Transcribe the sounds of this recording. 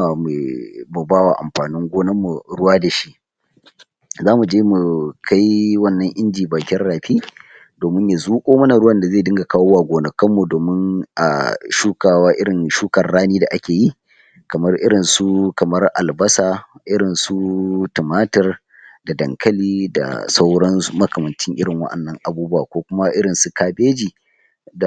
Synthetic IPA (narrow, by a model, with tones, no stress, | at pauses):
m˨mu˨baː˦wa˨ʔa̰˨mɸaː˨nɪ˦ŋɡʷoː˦nɐ˦mːu˨ɽʊ˦waː˦da˨ʃi˦ʔ | zaː˦mu˨d͡ʒeː˦mu˨kʰa˦jwɐ˦nːɐ˦ŋʔɪ˦nd͡ʒiː˨baː˨kʲɪ˦nɽaː˨ɸiː˦ | doː˨mɪ˦ɲja˨zuː˦kʷʼoː˦mɐ˦na˨ɽʊ˦wɐ˦nda˨zeː˦˨dɪ˦ŋɡa˨kaː˦woː˦waː˨ɡʷoː˨nɐ˨kɐ˦mːu˨doː˨mɪ˦ŋʔa̰˨ʃuː˦kaː˨waː˦ʔɪ˦ɽɪ˨nʃuː˦kɐ˨rɽaː˦niː˦da˨ʔa˦kʲeː˨ji˦ | kɐ˨mɐ˦rʔɪ˦ɽɪ˨nsu˦kɐ˨mɐ˦rʔa˨lbɐ˦saː˨ʔɪ˦ɽɪ˨nsu˦tʊ˨maː˦tɐ˦r | da˨dɐ̰˨ŋkʰɐ˦liː˦da̰˨sa˦wɽɐ˦n˦mɐ˦kɐ˨mɐ˨nt͡ʃɪ˦ŋʔɪ˦ɽɪ˨ŋwɐ̰˦ʔɐ̰˨nːɐ˦ŋʔa˨buː˦bʊ˦wa̰ː˨kʷoː˦kʷʊ˦ma˦ʔɪ˦ɽɪ˨nsu˨kaː˦beː˦d͡ʒiː˨ | da˨